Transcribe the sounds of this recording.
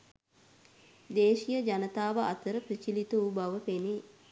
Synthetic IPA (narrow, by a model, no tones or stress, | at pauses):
d̪eːʃijəd͡ʒanət̪aːʋəʔat̪əɾəprit͡ʃilit̪uubaʋəpene